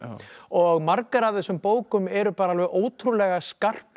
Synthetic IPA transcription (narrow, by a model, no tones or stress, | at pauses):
ɔɣmaɾkaɾavθɛsʏmpoːwkʏmɛɾʏpaːɾaalvɛðoːwt̪ʰɾulɛɣaskar̥p